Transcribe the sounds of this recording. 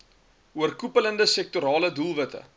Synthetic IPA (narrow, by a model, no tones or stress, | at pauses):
uərkupələndəsɛk̚tuɾɑːlədulˠvətə̰